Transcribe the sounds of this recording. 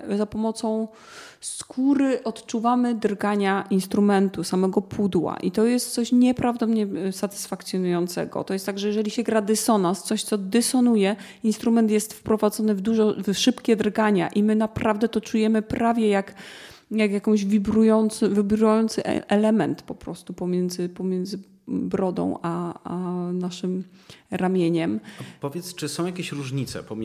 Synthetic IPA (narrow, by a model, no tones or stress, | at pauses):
zapɔmɔt̪sɔ̃w̃ | skʰuɾɘʔɔt̪t͡ʂuvamɘd̪ɾɡaɲaʔinst̪ɾumɛnt̪usamɛɡɔpʰud̪wa̰ʔit̪ɔjɛst̪̚t̪sɔɕɲɛpɾavd̪ɔmɲɛsat̪ɘ̥sfakt̪sʲjɔnujɔnt̪sɛ̰ɡɔ̰t̪ɔjɛst̪ːaɡʐɛjɛʐɛlʲiɕɛɡɾad̪ɛsɔnast̪sɔɕt̪sɔd̪ɛsɔnujɛ | inst̪ɾumɛnt̪jɛst̪fpɾɔvad̪zɔnɘvd̪uʐɔvʂɘpkʲɛd̪ɾɡaɲa̰ʔimɘnapɾʔavd̪ɛt̪ɔt͡ʂujɛmɘpɾavʲjɛjak | jakjakɔ̃w̃ʑvʲibɾujɔnt̪svʲibɾujɔnt̪sɘʔʔɛlɛmɛnt̪pɔpɾɔst̪upɔmʲjɛnd̪zɘpɔmʲjɛnd̪zɘ | bɾɔd̪ɔ̰̃w̃ʔaanaʂɘmɾamʲjeɲɛmpɔvʲjɛt̪st͡ʂɘsɔ̃w̃jakʲeɕɾuʐɲit̪sɛ̰pɔmʲ